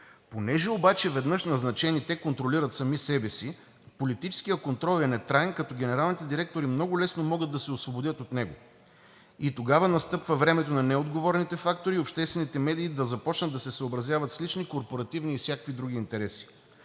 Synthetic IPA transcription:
ponɛʒɛobat͡ʃɛvɛd̪nɤʃnɐznɐt͡ʃɛnit̪ɛkont̪ɾoliɾɐt̪sɐmisɛbɛsi | polit̪it͡ʃɛ̥skijəkont̪ɾɔlˠɛnɛt̪ɾaɛnkɐt̪ɔɡʲɛnɛɾalˠnit̪ɛd̪iɾɛk̚t̪oɾimnɔɡʊlɛsnomɔɡəd̪ːɐsɛosvobod̪ʲjət̪ot̪nɛɡo | it̪oɡavɐnɐst̪ɤpvɐvɾɛmɛt̪onɐnɛod̪ɡovɔɾɛnit̪ɛfakt̪oɾiopʃt̪ɛst̪vɛnit̪ɛmɛd̪iːd̪ɐzɐpɔt͡ʃnɐd̪ːɐsɛsəobɾɐzjavɐt̪slit͡ʃnikoɾpoɾɐt̪ivniːfsʲjakvid̪ɾuɡ̟iːnt̪ɛɾɛsi̥

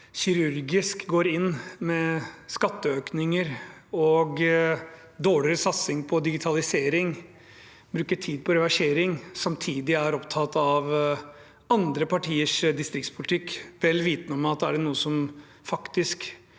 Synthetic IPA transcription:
çɪɾʉɾɡɪskɡoːɾɪnːmɛskɑt̪ːəøːknɪŋəɾɔɡ | d̪oːɭɪɾəsɑt̪sɪŋpʰɔd̪ɪɡɪt̪ʰɑlɪseːɾɪŋ | bɾʉːkəʈʰiːd̪̚pʰɔɾɛʋɑʂeːɾɪŋsɑmt̪ʰiːd̪ɪæɾɔpt̪ʰɑt̪ɑʋ | ɑnd̪ɾəpɑʈʰiːəʂd̪ɪst̪ɾɪkt̪spʰʊlɪt̪ʰɪkːʋɛlːʋiːt̪nəɔmɑt̪̚d̪æɖɛnuːəsɔm | fɑkt̪ɪsk

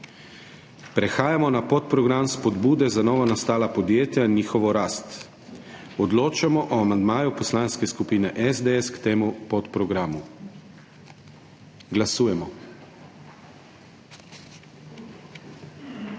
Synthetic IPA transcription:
pɾexaːjamɔnapot̪̚pɾɔɡɾamspod̪buːd̪ɛzanɔːʋanast̪aːlapod̪jeːt̪jainiːxɔʋɔɾaːst̪ | ɔd̪loːt͡ʃamɔʔoamand̪maːjupɔslaːnskeskupiːnɛʔɛzd̪eɛskt̪eːmupot̪pɾɔɡɾamu | ɡlasuːjɛmɔ

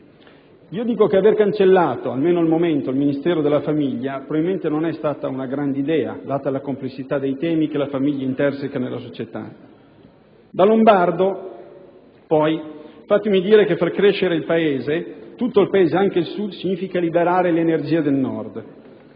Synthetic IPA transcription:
iːod̪iːkokeaverkant͡ʃelːaːt̪oalmeːnoalmoment̪oilminist̪ɛːɾod̪elːafamiʎːapɾobaviment̪enonɛst̪aːt̪aunaɡɾand̪eid̪ɛːa̰d̪aːt̪alːakomplesːit̪ad̪ejt̪ɛːmikelafamiʎːaint̪ɛrsekanelːasot͡ʃet̪a̰ | d̪alombard̪o | pɔjfat̪ːemid̪iːɾekefarkɾeʃeɾeilpaeːzet̪ut̪ːoilpaeːzeaŋk̟elsud̪siɲiːfikalibeɾaːɾelenerd͡ʒiːad̪elnɔrd̪

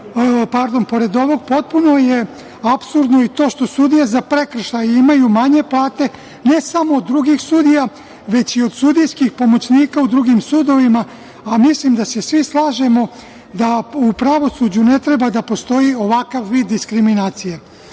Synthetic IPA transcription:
paɾd̪o̞npo̞ɾe̞d̪o̞ʋo̞ɡ̚po̞t̪̚puno̞je̞ | apsuɾd̪no̞it̪o̞ːʃt̪o̞sud̪ijezapɾe̞kr̩ʃajeimajumaɲe̞plˠaːt̪e̞ | ne̞samoːd̪ːɾuɡixsuːd̪ija | ʋe̞t͡ɕio̞d̪̥sud̪ijskixpo̞mo̞t͡ɕniːkaud̪ɾuɡimsuːd̪o̞ʋima | amislimd̪ase̞sʋislˠaːʒe̞mo̞ | d̪aupɾaʋo̞sud͡ʑune̞t̪ɾe̞bad̪apo̞st̪o̞jio̞ʋakaʋʋiːd̪ːiskɾiminaːt̪sije

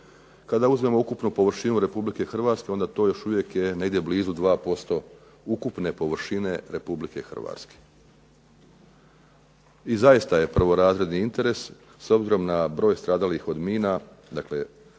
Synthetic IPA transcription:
kad̪auzme̞mo̞ukupnupo̞ʋr̩ʃinuɾe̞publike̞xr̩ʋaːt̪ske̞o̞nd̪at̪o̞ːjo̞ʃuʋje̞kje̞neɡd̪ebliːzud̪ʋaːpo̞st̪o̞ | ukupne̞po̞ʋr̩ʃine̞ɾe̞publike̞xr̩ʋa̰ːt̪ske̥ | izajist̪aje̞pr̩ʋo̞ɾaːzɾe̞d̪niint̪e̞ɾe̞s | so̞bziɾo̞mnabɾo̞ːjst̪ɾaːd̪alixo̞d̪miːna | d̪akle̞

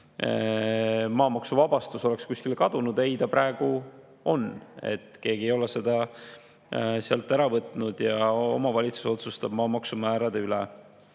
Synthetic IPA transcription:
mɑːmɑksuvɑb̥ɑst̪uso̞lekskuskilkɑd̪̥unud̪̥e̞jd̪ɑpɾæe̞ɡ̥u | o̞ne̞̰t̪ːke̞ːɡ̥iejo̞lese̞d̪̥ɑ | seɑlt̪ːˑæɾɑvɤt̪ːˑnud̪̥jɑo̞̰mɑvɑlʲit̪su̥so̞t̪sust̪ɑb̥̚mɑːmɑksumæːɾɑd̪̥eylɛ

